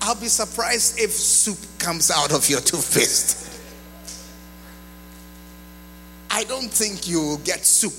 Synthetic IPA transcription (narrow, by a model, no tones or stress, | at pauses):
ʔaɪlˠbisə˞pʰɹ̥aɪzdɪfsupkʰʌ̃mzaʊɾɔvjətʰufɪst | ʔaɪdõʊ̃nθɪ̃ŋkjuɡɛtsup